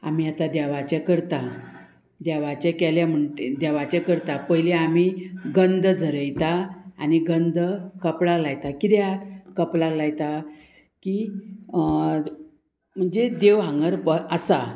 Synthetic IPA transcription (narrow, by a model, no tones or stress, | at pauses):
a̰miːat̪ad̪jaʋat͡ɕakəɾt̪a | d̪jaʋat͡ɕakɛljam̤əɳʈed̪aʋat͡ɕakəɾt̪apəɦjleamiɡənd̪d͡zʱəɾəjt̪aːniɡənd̪əkəplalajt̪akid̪jakəplalajt̪a | ki | m̤əɳd͡zed̪eʋɦãŋɡəɾpəəsa